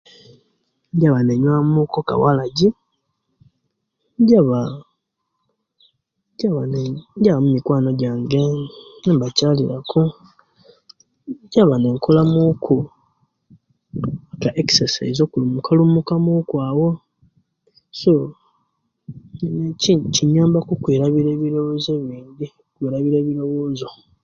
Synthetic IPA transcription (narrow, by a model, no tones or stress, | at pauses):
ɲɟaβane̞ɲwamuːkoka̰walaɟi | ɟaβa | ɟaβaneɲɟaβamumikwaːno̞ɟaːŋɡenembacaːlḭɾaku | ɟaβane̞ŋkʰolamukʰu | kɡaʔeksesa̰izo̞ːkulumukʰalumukamukwaːwo̞ | so | neiciɲaːmbakukweːɾaβiɾe̞ːβiɾo̞woze̞βiːndi | kweːɾaβiɾe̞ːβiɾo̞woːzo̞